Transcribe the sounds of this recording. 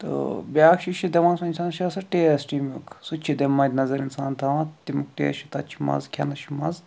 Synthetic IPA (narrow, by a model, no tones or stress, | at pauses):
t̪ɨ̰bʲaːkʃiʃid̪emɐːnsɐinsaːnʃɐsɐʈeːɐsʈimuksut͡ʃʰid̪emːɐd̪ʲnɐzɐɾinsaːnt̪ʰɐʋãt̪t̪imukʈḛːʃʰit̪ɐt͡ʃʰimɐ̰zkʲʰɐnɐʃimɐ̰z